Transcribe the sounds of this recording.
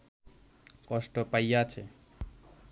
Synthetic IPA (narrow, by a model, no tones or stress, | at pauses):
kɔʃʈopajat͡ɕʰe